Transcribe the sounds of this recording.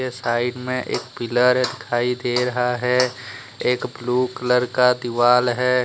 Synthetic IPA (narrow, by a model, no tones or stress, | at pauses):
esaːɪɖmẽʔḛːkpɪləɾd̪ɪkʰaːid̪eːɾɐɦaɦɛ | eːkbluːkələɾkad̪ɪʋaːlɦɛː